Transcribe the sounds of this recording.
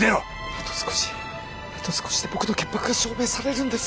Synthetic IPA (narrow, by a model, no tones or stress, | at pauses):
eɾo | at̪osɨ̥ko̥ɕi̥ | at̪osɨ̥koɕi̥d̪e̞bo̞kɯ̟noke̞mpːakɯɡaɕo̞ːme̞ːsaɾe̞ɾɯ̃nd̪e̞s